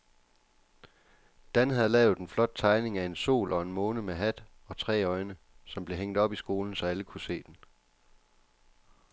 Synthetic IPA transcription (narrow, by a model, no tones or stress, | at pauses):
d̥ænɦæð̩ˠlɛːʊð̞̩ˠenflɒ̽d̥̚t͡sʰɑ̈ɪne̝ŋæe̝nso̝̰ːlʔɒ̽e̝nmɔ̽ːnəmeɦæd̥ | ɒ̽t͡sʰʁɛ̰ːɒ̽ɪnə | sɒ̽mb̥le̝ɦeŋ̰d̥ɒ̽b̥isɡ̥o̝ːln̩sɒ̽æləkʰuse̝̰ːd̥en